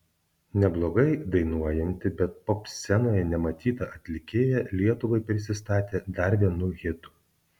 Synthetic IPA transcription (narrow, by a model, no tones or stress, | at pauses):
nʲɛblˠoːɡɐɪd̪ɐɪnuɔjɛnʲt̪ʲɪbʲɛt̪̚popʲsʲɛnoːjɛnʲɛmɐt̪ʲiːt̪ɐʔɐt̪ʲlʲɪkʲeːjɛlʲiɛt̪ʊʋɐɪpʲɾʲɪsʲɪst̪ɑːt̪ʲeːd̪ɐɾʋʲiɛnʊɣʲɪt̪ʊ̥